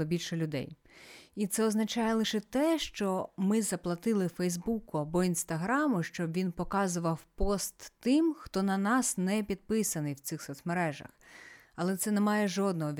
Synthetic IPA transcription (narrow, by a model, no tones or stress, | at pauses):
ɔbʲilʲʃɔlʲʊd̪ɛ̰j | it̪sɛɔznɐt͡ʃɑjɛlˠɪʃɛt̪ɛʃt͡ʃɔmɪzɐplˠɐt̪ɪlˠɪfɛjzbukʊɐbɔinst̪ɐɦɾɑmʊʃt͡ʃɔbʋʲinpɔkɑzʊʋɐwpɔst̪ːɪmxt̪ɔnɐnɑsnɛpʲid̪̚pɪsɐnɪjwt̪sɪxsɔt̪smeɾɛʒɐ̰x | ɐlˠɛt̪sɛnɛmɑjɛʒɔd̪nɔɦɔʋʲ